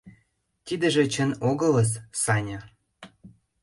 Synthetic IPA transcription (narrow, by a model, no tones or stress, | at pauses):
t̪id̪ə̆ʒĕt͡ɕə̆noɣɤ̆ləssɑnʲɤ